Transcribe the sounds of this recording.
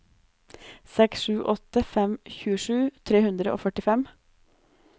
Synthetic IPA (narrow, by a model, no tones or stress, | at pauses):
sɛksʃʉːʔɔt̪əfɛmçʉːəʂʉːt̪ʰɾeːhʉnd̪ɾəʔo̰ːfœʈɪfɛm